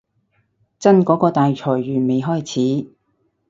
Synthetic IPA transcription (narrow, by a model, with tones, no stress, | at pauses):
t͡sɐ˥nkɔː˨˥kɔː˧t̪aː˨jt͡ʃʰɔː˨˩jɥyː˨˩me˨˧jɦɔː˥jt͡sʰiː˨˥